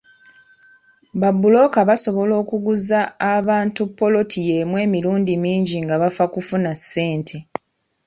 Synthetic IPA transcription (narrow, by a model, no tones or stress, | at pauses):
babːulo̞kaβaso̞βo̞lo̞ːkuɡuzaːβaːntupːo̞lo̞tʰije̞mwe̞ːmiɾuːndimiːɲɟiŋɡaβafakufunasːe̞ːntʰe̞